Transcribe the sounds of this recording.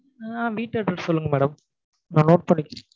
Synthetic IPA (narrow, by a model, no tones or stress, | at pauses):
aʋiːʈːɐʈːɯʈːsɔlːɯŋɡɐmɛːɽɐm | nãːnoːʈ̚pɐɳːɪkːɐɾ